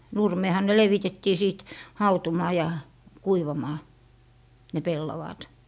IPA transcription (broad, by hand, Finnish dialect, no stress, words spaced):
nurmeːhɑ ne leʋitetːiː siˑt hɑutumɑː jɑ kuiʋɑmɑː ne pelːɑʋɑːt